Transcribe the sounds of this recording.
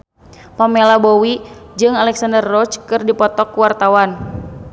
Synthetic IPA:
pamɛlabɔwid͡ʒɨŋalɛksandərːɔt͡ʃkɨrdipɔt̪ɔkuwart̪awan

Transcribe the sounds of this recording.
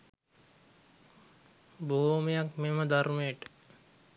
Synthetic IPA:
boːmejakmeməd̪aɾmeːʈə̥

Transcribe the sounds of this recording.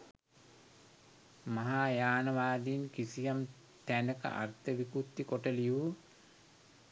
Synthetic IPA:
maɦaːjaːnɐʋaːd̪iːnkisijam | t̪ænəkə̰ʔa̰rt̪əʋikut̪ːikoʈəliu

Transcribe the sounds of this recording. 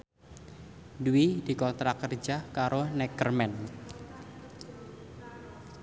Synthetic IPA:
duid̥i̤kɔnt̪ɾakərd͡ʒahkaɾonɛkərmɛn

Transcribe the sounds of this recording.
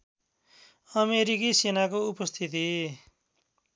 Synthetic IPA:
ʌmeɾikisenakoupʌst̪ʰit̪i

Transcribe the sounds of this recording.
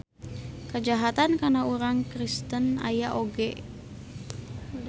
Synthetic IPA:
kəd͡ʒaɦat̪ankanauɾaŋkɾist̪əna̰jaʔoɡɛ

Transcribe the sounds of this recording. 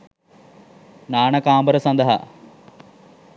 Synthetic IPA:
naːɳɐkaːmbəɾəsɐnd̪ɐɦa̰

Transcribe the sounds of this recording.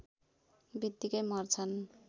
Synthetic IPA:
bit̪ːikʌjmʌrt͡sʰʌn

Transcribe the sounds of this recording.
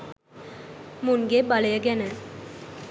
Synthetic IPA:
muŋɡebaləjəɡɛnə

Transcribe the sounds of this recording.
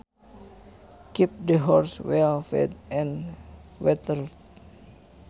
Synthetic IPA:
kip̚dəɦɔrswɛlfɛ̰dɛ̃nwɛt̪əlt

